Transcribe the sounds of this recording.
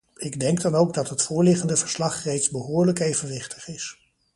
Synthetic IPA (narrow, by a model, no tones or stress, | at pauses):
ɪɡdɛŋɡ̚dɑnowɡdɑtɦətfʊːɹlɪχəndəvəɹslɑχrejtzbəɦʊːɹləkejvənʋɪχtəχɪs